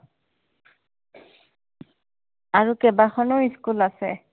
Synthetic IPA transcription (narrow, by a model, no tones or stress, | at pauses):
aɹukɛbaxʰɔnɔiskulasɛ̰